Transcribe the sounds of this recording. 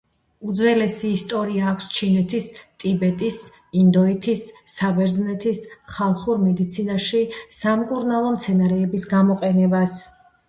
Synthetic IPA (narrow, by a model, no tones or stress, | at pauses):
ud̪zvɛlɛsiːst̪ʼɔɾiaːkʷʰst͡ʃʰinɛt̪ʰist̪ʼibɛt̪ʼis | ind̪ɔit̪ʰisːabɛɾd̪znɛt̪ʰisχalˠχuɾmɛd̪it̪sʰinaʃisamkʼuɾnalˠɔmt̪sʰɛnaɾɛːbisɡamɔqʼɛnɛbas